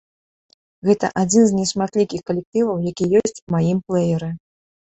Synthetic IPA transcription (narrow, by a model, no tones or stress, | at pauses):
ɣɛt̪ɐ̰ʔad͡zʲinzʲnʲɛʂmat̪lʲikʲixkɐlʲɛk̚t̪ɨvɐwjakʲijɔsʲt͡sʲumajimplˠɛjɛɾɨ